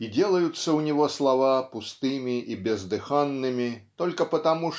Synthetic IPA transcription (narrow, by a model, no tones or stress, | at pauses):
id͡zʲelˠɐjut̪sːɐwnʲiɣɔslˠavapust̪ɨmʲiʔibʲɛzd̪ɨxanːɨmʲit̪ɔlʲkɐpɐt̪amu